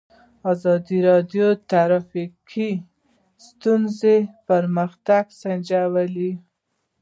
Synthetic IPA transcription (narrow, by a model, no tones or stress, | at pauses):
ɑzɑd̪iɾɑd̪jot̪aɾɑfikʰi | st̪unzepəɾməxt̪aɡsand͡ʒawəli